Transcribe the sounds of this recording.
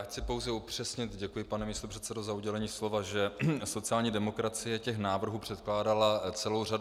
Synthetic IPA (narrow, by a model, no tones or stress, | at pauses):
jaxt͡sɪpo̞wzɛupr̥ɛsɲɪt̪ɟɛkujɪpanɛmist̪o̞pr̥ɛt̪sɛdozauɟɛlɛɲiːslo̞vaʒɛso̞tt͡sɪaːlɲiːdɛmo̞kɾat͡sɪjɛcɛxnaːvr̩ɦuːpr̝̥ɛt̪klaːdalat͡sɛlo̞wra